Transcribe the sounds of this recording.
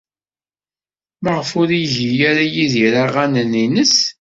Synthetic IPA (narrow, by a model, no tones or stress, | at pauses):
məʁəfʊɾijʝijæɾajiðiɾaʁænəninəs